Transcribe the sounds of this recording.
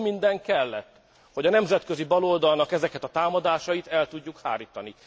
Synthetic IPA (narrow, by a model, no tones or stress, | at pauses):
mind̪ɛŋkɛlːɛt̪ː | ho̞ɟɒnɛmzɛt̪kø̞zibɒlo̞ld̪ɒlnɒkɛzɛkɛt̪ɒt̪aːmɒd̪aːʃɒjit̪ɛlt̪uɟːukha̰ːɾiːt̪ɒni